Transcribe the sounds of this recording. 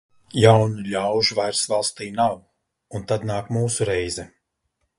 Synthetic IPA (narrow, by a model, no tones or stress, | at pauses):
jawnuʎʲawʒuvajɾsvalˠst̪iːnaw | unt̪ad̪naːkmuːsuɾɛjzɛ